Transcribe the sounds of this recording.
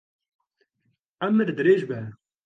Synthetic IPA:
æmːɨɾd̪ɨɾeːʒbɛ

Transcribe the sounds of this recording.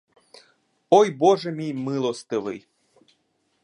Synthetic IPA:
ojboʐɛmʲijmɨlˠost̪ɨvɨ̰j

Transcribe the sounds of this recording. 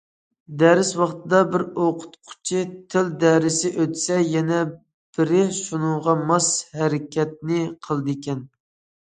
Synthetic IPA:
d̪ɛɾɪswɑχt̪ʰɨd̪ɑbɪɾoqʰʊ̥t̪qʰʊ̥t͡ʃʰit̪ʰɪld̪ɛɾɪsɪʔøt̪sɛjɛnɛ | b̥ɪɾɪʃunʊŋʁɑmɑshɛɾɪkʲʰɛt̪̚nɪqʰəlˠd̪ɪkʲʰɛn

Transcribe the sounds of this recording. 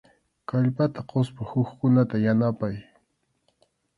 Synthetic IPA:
kaʎpat̪aqospahʊxkʊnat̪ajanapaj

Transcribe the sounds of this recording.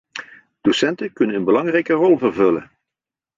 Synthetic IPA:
d̥osɛntəkɵnənənbəlɑŋrɛjkərɔlˠvərvɵlə̰

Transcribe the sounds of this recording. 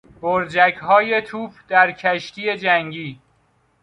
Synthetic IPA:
boɾd͡ʒækɦɒːjet̪ʰuːfd̪̥æɾkʰæʃt̪ʰiːje̞d͡ʒæŋɟiː

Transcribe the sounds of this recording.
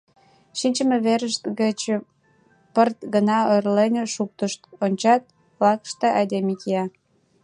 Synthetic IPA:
ʃinʲt͡ɕəmĕβeɾəʃt̪ɡət͡ɕ | pərt̪ɡənɑørlenʲeʃuk̚t̪əʃt̪onʲt͡ɕɑt̪̚ | βlɑkʃt̪eʔɑd̪ʲemikiɑ

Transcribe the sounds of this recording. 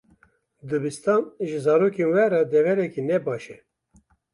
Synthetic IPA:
d̪ɨbist̪ɑnʒɨzɑːɾoːkenwɛɾɑd̪ɛvɛɾɛkinɛbɑːʃɛ

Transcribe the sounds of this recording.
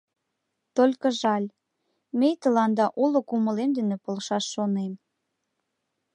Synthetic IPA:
t̪olʲkə̆ʒɑlʲ | mejt̪əlɑnd̪ɑʔulokuməlemd̪ə̆nĕpolʃɑʃːonem

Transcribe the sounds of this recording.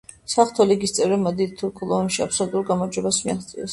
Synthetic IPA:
saχt̪ʰɔliɡist̪sʼɛvɾɛmad̪it̪ʰːuɾkʰulˠɔmʃiapʰsɔlut̪ʼuɾɡamɔɾd͡ʒwɛbasmiaχt̪sʼḭɛs

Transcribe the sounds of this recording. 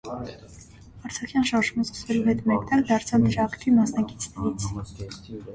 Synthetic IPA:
ɑɾt͡sʰɑχjɑnʃɑɾʃuməskə̥svɛluɦɛt̪mɛkt̪ɑɾkd̪ɑɾt͡sʰɑvd̪əɾɑkt̪ʰimɑsnɑki̥t͡sʰnɛɾit͡sʰ

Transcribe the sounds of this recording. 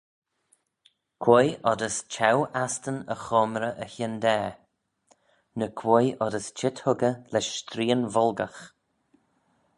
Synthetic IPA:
kʰwojʔɔd̪əst͡ʃʰawast̪ənə̰xɔːmɾəʔəçɪnd̪ɛː | nəkʰwojʔɔdəst͡ʃʰɪthʊɡəlɛʃːt̪ɾiːənvɔlɡəx

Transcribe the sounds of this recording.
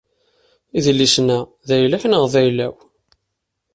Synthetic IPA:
iðlːisnæ | ðæjlæçnəʁðæjlæ̰w

